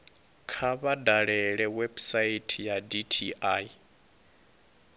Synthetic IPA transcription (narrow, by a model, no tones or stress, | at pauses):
kʰaβadaɺɛɺɛwebsaitʰijaditʰiʔai